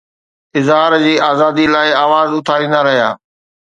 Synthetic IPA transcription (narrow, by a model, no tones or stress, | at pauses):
ɪzɦaːɾd͡ʑiːaːzaːd̪ilaːɪaːʋaːzʊt̪ʰaːɾĩːnd̪aɾɐɦija̰ː